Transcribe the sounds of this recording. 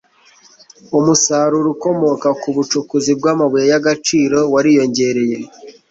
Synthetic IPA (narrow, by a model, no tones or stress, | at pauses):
umusaɾuɾuko̞mo̞kakuβut͡ʃukuzib̚ɡaːmaβujajaɡat͡ʃiːɾo̞waɾijo̞ɲɟe̞ɾe̞je̞